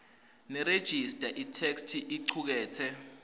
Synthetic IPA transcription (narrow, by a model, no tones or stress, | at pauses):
nɛɾed̥ʒ̥ʱistʼaʔitʰekstʰiʔiǃʰuk̬ɛːt͡sʰɛ